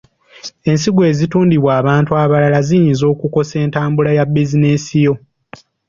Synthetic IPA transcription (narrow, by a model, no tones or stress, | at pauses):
e̞nsiɡwe̞ːzituːndiβwaːβaːntuaβalalazijiːnzo̞ːkuko̞se̞ːntaːmbulajabːizinesijo̞